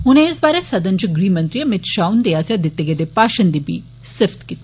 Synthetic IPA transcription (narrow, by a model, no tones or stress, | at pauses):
uneːsbaːɾesɐd̪ɐnt͡ʃuɡɾiːmɐnt̪ɾijɐmɪt̪ʃaːwnd̪ejaːsjad̪it̪ːeɡed̪epaːʃɐnd̪ibḭ | sɪft̪kit̪